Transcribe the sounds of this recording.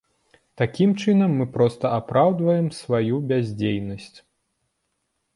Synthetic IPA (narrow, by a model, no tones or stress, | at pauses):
t̪akʲimt͡ʂɨnɐmːɨpɾɔst̪ɐapɾawd̪vɐjɛmsvajubʲazʲd͡zʲejnɐsʲt͡sʲ